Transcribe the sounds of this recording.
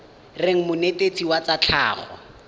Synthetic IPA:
rɪŋ̩mʊnetet͡siwat͡sat͡ɬʰa̰ːχɔ̰

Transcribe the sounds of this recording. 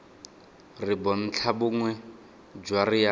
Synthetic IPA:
rɪbɔn̩t͡ɬʰabʊŋwɛ | d͡ʒwarɪa

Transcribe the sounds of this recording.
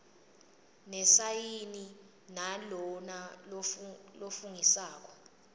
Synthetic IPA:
nɛsajini | nalɔnallofuŋisaːk̬ɔ̥

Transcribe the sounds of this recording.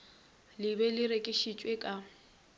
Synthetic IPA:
lɪβɛlɪɾekʼɪʃit͡ʃʼwekʼa

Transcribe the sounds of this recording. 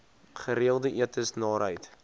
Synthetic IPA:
χəɾiəlˠdəʔiətəsnɑːɾɦəjt

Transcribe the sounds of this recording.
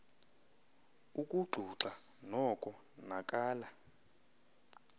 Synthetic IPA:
ukʼuɡ͡ǃʱuǁa | nɔkʼɔ | nakʼaːla

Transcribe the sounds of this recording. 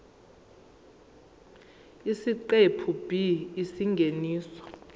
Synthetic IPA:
isiǃepʰub̥ʱiːsiŋɡʱeniːsɔ̥

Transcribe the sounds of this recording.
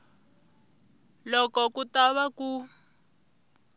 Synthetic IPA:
lɔkɔkutaβaku

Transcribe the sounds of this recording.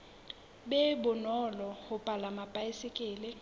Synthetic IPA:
ɓɛbʊnɔlɔhʊpʼalamapʼaisɪkʼɪːlɪ

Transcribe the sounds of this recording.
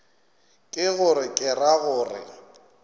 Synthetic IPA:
kʼɪɣʊɾɪkʼɪraɣʊːrɪ̰

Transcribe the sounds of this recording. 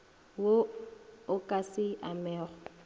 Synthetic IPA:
wo | ʊkʼasɪa̰mɛːχɔ

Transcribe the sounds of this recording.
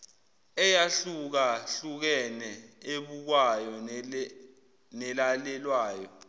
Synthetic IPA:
ɛjaɬuk̬aɬuk̬ɛnɛeɓuk̬wajɔ | nɛlalɛlwaːjɔ

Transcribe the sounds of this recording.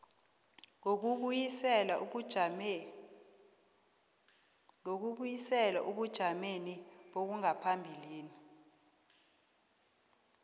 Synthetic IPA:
ɛlau̥ | ok̬uɓujisɛla̰ʔuɓud̥ʒ̥ʱameniɓok̬uŋapʰambʱiliːni

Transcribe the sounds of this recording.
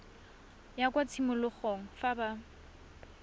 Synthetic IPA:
jakwat͡sʰimʊlʊχoŋ̩faba

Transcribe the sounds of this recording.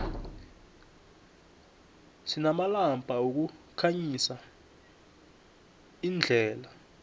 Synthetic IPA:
sinamalampʼauk̬ukʰaɲisa | ind͡ɮʱɛːla

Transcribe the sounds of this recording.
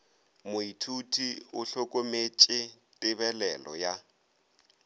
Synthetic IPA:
mʊitʰutʰiʊɬokʼomet͡ʃʼɪ | tʼɪβɛlɛlɔ̰ja

